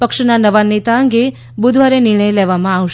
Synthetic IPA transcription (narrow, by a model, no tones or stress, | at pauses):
pəkʃnanəʋanet̪aəŋɡe | bud̪ʱʋaɾenɪɾɳəjlɛʋamãaʋʃ